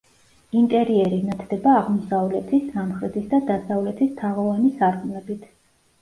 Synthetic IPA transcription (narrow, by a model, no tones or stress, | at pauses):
int̪ʼɛɾiɛɾinat̪ʰd̪ɛbaːʁmɔsavlɛt̪ʰisamχɾɛt̪ʰisd̪ad̪asavlɛt̪ʰist̪ʰaʁɔvanisaɾkʼumlɛbit̪ʰ